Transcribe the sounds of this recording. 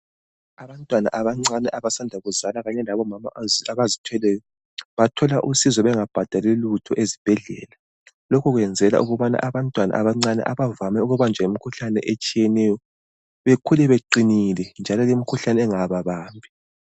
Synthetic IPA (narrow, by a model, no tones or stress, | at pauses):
aβantʼwana̰ʔaβaŋ͡ǀanɛʔaβasandʱaɣuzalaɣaɲɛlaβɔmama̰aβazitʰwɛlɛjɔ | βatʰɔlaʔusizɔβɛŋab̥ʱad̥ʱalɛlutʰɔʔezib̥ʱɛɮɛ̰ːla | lokʰuɣwɛnd͡zʱɛla̰ʔuɣuβana̰ʔaβantʼwana̰ʔaβaŋ͡ǀanɛ̰ʔaβavamɛuɣuβand͡ʒʱaimikʰuɬanɛ̰ʔet͡ʃʼijɛnɛjɔ | βekʰulɛβeǃinilɛnd͡ʒʱalɔlemikʰuɬanɛŋaβaβaːmbʱi